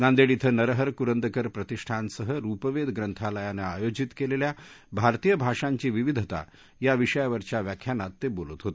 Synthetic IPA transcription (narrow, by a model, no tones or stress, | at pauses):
nand̪eɽit̪ʰənəɾəɦəɾkuɾənd̪əkəɾpɾət̪iʂʈʰansəɦəɾupəʋed̪ɡɾənt̪ʰaləjaneajod͡ʑit̪kelelja | bʱaɾt̪ijəbʱaʂãɲt͡ɕiːʋiʋid̪ʱət̪a̰ | jaʋiʂəjaʋəɾt͡ɕjaʋjakʰjanat̪ːebolət̪ɦot̪e̥